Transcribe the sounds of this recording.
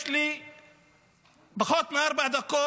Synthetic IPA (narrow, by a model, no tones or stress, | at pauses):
ʃli | bɪxot̪mʔɑɾˤbaʕd̪akːoː